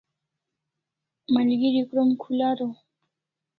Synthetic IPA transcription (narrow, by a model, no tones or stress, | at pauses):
malɡiɾikɾomkʰulaɾo